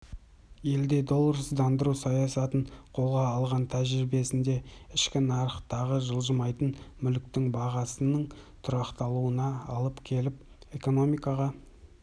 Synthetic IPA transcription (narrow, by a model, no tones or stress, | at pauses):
je̞ld̪e̞d̪o̞lˠɾəsd̪ɑnd̪əɾusɑjɑsɑt̪əɴqʰo̞lˠʁɑːlˠʁɑnt̪ʰæʒɾibe̞sɪnd̪e̞ɪʃkʲɪnɑɾəqt̪ɑʁəʒəlˠʒəmɑjt̪ənmʏlk̚t̪ɪŋbɑʁɑsənəɴt̪ʰʊɾɑqt̪ɑlˠuənɑɑ̰lˠəpkʲʰe̞lɪp̚ | eko̞no̞mijkɑʁɑ